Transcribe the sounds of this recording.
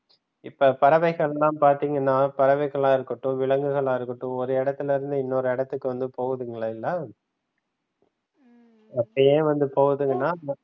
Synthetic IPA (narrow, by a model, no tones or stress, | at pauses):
ɪpːɐːpɐɾɐʋɐɪɣɐɭɛlãːpaːɾt̪iːŋɡɐnːaːpɐɾɐʋɐɪɣɐɭaːɪɾɯkːɐʈːũʋɪɭɐŋɡɯɣɐɭaːɪɾɯkːɐʈːʊ̃ɔɾɯɪɽɐt̪ːɪlɪɾɯnd̪ɯɪnːoːɾɯɪɽɐt̪ːɯkːɯʋɐnd̪ɯpoːɣɐðɯŋɡɐɭɐɪlːɐ | ɐpːɐjẽːʋɐnd̪ɯpoːɣɐðɯŋɡɐnːaː